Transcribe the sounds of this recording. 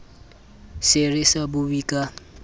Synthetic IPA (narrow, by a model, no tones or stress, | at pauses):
serɪsabubikʼa